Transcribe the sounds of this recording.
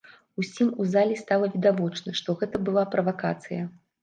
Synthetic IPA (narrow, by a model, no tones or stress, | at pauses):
usʲimuzalʲist̪alˠɐvʲid̪avɔt͡ʂnɐʂt̪ɔɣɛt̪ɐbɨlˠapɾɐvaka̰t̪sɨjɐ